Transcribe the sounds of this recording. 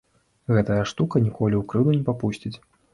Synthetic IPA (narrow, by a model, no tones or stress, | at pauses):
ɣɛt̪ɐjɐʂt̪ukɐnʲikɔlʲiwkɾɨd̪unʲɛpapusʲt͡sʲit͡sʲ